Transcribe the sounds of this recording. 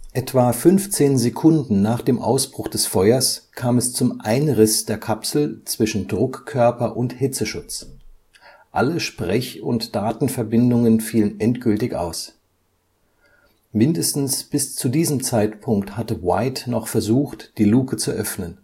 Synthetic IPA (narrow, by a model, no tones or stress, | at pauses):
ʔɛtv̥aːfʏnft͡seːnzekʰʊndn̩naːχd̥eːmʔa̰ʊsb̥ʁʊχd̥ɛsfɔʏɐskʰaːmɛst͡sʊmʔaɪnʁɪsd̥eːɐkʰapsl̩t͡sv̥ɪʃn̩dʁʊkʰːœɐpɐʔʊnthɪt͡səʃʊt͡s | ʔa̰ləʃpʁ̥ɛçʊ̰ntd̥aːtn̩fɛɐbɪndʊŋənfiːlənʔɛntɡ̥ʏltɪçʔa̰ʊs | mɪndəstn̩sb̥ɪst͡sudiːzəmt͡saɪtpʰʊŋkthatəwaɪtnɔχfɛɐzuːxtd̥iːluːkət͡suʔœfnən